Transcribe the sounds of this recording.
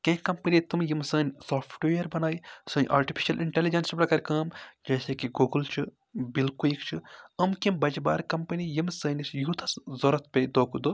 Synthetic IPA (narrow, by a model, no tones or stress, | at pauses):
kẽɦkɐmpɐnit̪umjimsəːnʲsoːpʰʈʋeɐɾbɐnaːjisɨ̃ːnʲʔa̰ːɾʈipʰi̥ʃɐlʔiɳʈelid͡ʒɐnspɾɐkɐɾkɐːmd͡ʒɐːseːkiɡuːɡɨlt͡ʃʰɨ | bilkulikt͡ʃʰɨɐmkimbɐd͡ʒba̰ːɾkɐmpɐnijimsəːnʲisjut̪ʰɐszoːɾɐt̪̚pʲed̪oːkʰud̪oː